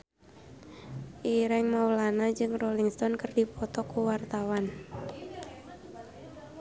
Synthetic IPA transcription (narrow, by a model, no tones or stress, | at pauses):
ʔiɾɛŋmawlanad͡ʒɨŋrɔliŋst̪ɔnkərdipɔt̪ɔkuwart̪awan